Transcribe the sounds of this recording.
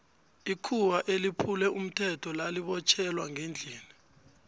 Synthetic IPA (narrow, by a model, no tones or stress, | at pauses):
ikʰuwaʔelipʰulɛum̩tʰɛtʰɔlaliɓɔt͡ʃʰɛlwaŋʱend͡ɮʱiːni